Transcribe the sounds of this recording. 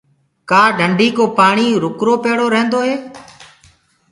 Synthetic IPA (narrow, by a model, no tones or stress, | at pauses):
kaːɖʱəɳɖʱiːkoːpaːɳ̃iːɾʊkɾoːpeːɽoːɾə̃ɦə̃nd̪oːɦeː